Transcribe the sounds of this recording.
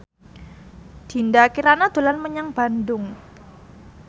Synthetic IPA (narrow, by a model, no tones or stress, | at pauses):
d̪̥i̤ndakiɾanad̪̥o̤lanməɲaŋb̥a̤ndʊŋ